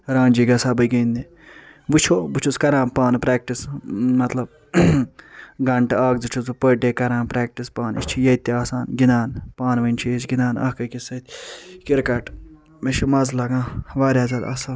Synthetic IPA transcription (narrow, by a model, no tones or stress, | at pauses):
ɾãːnʲd͡ʒiːɡɐsabɐɡɐːnd̪e | but͡ʃʰoːbut͡ʃʰuskɐɾãːpaːnpɾɛːk̚ʈismɐt̪lɐb̚ | ɡɐɳʈaːɡzut͡ʃʰuzupəʈekɐɾãːpɾɛːk̚ʈispaːnḭt͡ʃʰijɐt̪eaːsaːnɡinaːnpaːnʋɐnt͡ʃʰisɡinaːnɐ̰ːkɐkisɐt̪ʰʲkiɾkɐʈ | meʃimɐzlɐɡãːʋaːɾʲjaːzɐla̰ːsaːn